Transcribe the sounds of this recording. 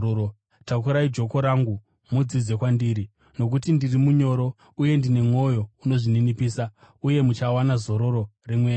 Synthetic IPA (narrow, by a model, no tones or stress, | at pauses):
tak̬uɾaid͡ʒo̞ko̞ɾaŋɡu | mud͡zid͡ze̞kwandiɾi | no̞k̬utindirimuɲo̞ɾo̞ | uje̞ndine̞mo̞jo̞uno̞ʐininipiːsa | uje̞mut͡ʃawanazo̞ɾo̞ɾo̞remweː